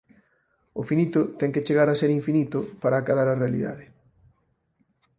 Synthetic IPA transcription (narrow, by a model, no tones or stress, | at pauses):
ʊfinit̪ʊt̪ɛŋket͡ʃeɣaɾaseɾiɱfinit̪ʊpaɾaːkaðaɾarealḭða̰ðɪ